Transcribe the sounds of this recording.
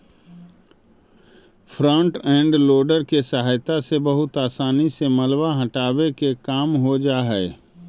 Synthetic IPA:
fʰɾɔ̃ːɳʈɛ̃ːɳɖloːɖəɾkesɐɦaːjt̪asebɐɦʊt̪aːsaːnisemɐlbaɦɐ̃ʈaːwekekaːmɦod͡ʒaːɦɛe

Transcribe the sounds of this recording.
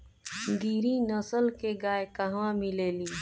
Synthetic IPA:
d̪iːɾinəsəlkeɡaːjkəɦãmɪleːliː

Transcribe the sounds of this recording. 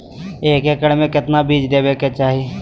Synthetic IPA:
eːkeːkəɽmẽkɪt̪nabiːd͡ʒd̪eːbeːket͡ʃaːɦie

